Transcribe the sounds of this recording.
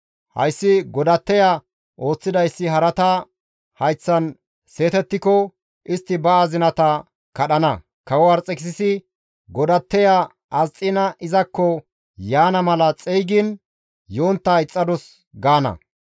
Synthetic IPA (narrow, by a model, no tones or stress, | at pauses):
hɐ̰jsːɪɡɔd̪ɐt̪ːɛja | ʔo̞ːt͡sːɪd̪ɐjsːɪɦɐɾɐt̪ɐ | hɐjt͡sːɐn | se̞ːt̪ɛt̪ːɪkɔ | ʔɪst̪ːɪbɐazɪnɐt̪ɐ | kɐɗɐnɐ | kɐwɔwaɾt͡sʼːɛksɪsɪ | ɡɔd̪ɐt̪ːɛja | ʔɐzt͡sʼːɪnɐʔɪzɐkːɔ | jaːnɐmɐlɐt͡sʼɛjɡɪn | jo̞ːnt̪ːaɪt͡sʼːɐd̪ɔs | ɡaːnɐ̰